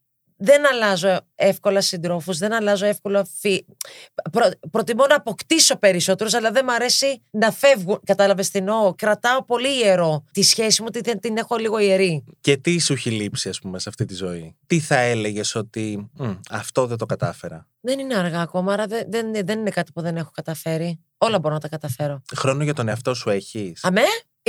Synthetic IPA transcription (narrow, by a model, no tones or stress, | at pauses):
ðe̞nɐlɐzo̞e̞fko̞lɐsind̪ɾo̞fuzðe̞nɐlɐzo̞e̞fko̞lɐfi | pɾopɾo̞t̪imonɐːpo̞kt̪iso̞pe̞ɾiso̞t̪e̞ɾosɐlɐðe̞mɐɾe̞sinɐfe̞vɣunkɐt̪ɐlɐve̞st̪ino̞kɾɐt̪ɐo̞po̞liːe̞ɾo̞t̪isçesimuot̪iðent̪ine̞xo̞liɣo̞ieɾice̞t̪isuçilipsiɐspumeseɐft̪it̪izo̞it̪iθɐele̞ʝe̞so̞t̪iɐft̪o̞ðet̪o̞kɐt̪ɐfeɾɐ | ðe̞nineɐɾɣɐːko̞mɐɐɾɐðeðenðe̞nine̞kɐt̪i̥puðe̞ne̞xo̞kɐt̪ɐfe̞ɾi | o̞lɐbo̞ɾo̞nɐt̪ɐkɐt̪ɐfe̞ɾo̞xɾo̞noʝɐt̪o̞neɐft̪o̞sue̞çisɐme